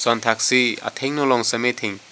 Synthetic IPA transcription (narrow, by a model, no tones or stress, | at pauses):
sɔntʰak̚sia̰tʰeŋnɔlɔŋsɐmetʰeŋ